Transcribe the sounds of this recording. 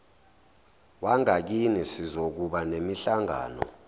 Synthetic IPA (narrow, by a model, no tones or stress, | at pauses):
waŋak̬inisizok̬uɓanemiɬaŋa̰ːnɔ̰